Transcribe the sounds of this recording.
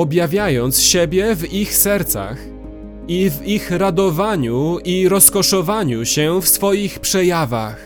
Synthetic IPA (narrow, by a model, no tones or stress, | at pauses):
ɔbjavʲjajɔnt̪sɕebʲjɛvixsɛɾt̪sa̰x | ivixɾad̪ɔvaɲuiɾɔskɔʂɔvaɲuɕɛfsfɔjixpʂɛjava̰x